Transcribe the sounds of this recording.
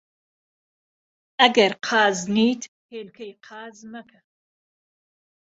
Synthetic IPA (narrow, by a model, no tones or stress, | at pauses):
ɐɡɐɾqʰɑːzniːt̪ | heːlkʰɐjqʰɑːzmɐkʰɐ